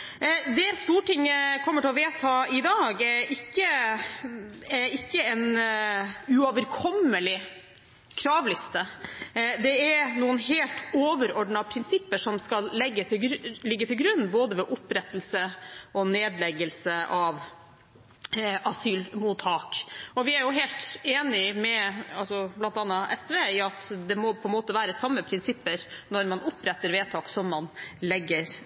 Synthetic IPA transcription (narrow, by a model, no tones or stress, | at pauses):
d̪ɛst̪uːʈɪŋːəkʰɔmːəʈʰɪlɔʋeːt̪ʰɑːɪd̪ɑːɡɛɾɪkːə | ɛɾɪkːəɛn | ʉɔʋəɾkʰɔmːəlɪ | kʰɾɑːʋlɪst̪ə | d̪ɛɛɾnuːənɦeːlt̪oːʋəɾɔɖɳɑpʰɾɪnsɪpːəʂɔmskɑlːɛɡːət̪ɪɡlɪɡːət̪ʰɪlɡɾʉnːboːd̪əʋɛʔʊpɾɛt̪ːəl̩səʔɔneːd̪lɛɡəlsəʔɑʋ | ɑsyːlmuːt̪ʰhɑːkɔʋɪæɾjʊɦeːlt̪eːnɪmɛɑlsɔblɑnt̪ɑnːɑʔɛsʋeːɪɑt̪d̪ɛmɔpʰɔɛnmoːt̪əʋæːɾəsɑmːəpʰɾɪnsɪpːəɾnɔɾmɑnʊpɾɛt̪ːəɾʋeːt̪ʰɑːksɔmːɑnlɛɡːəɾ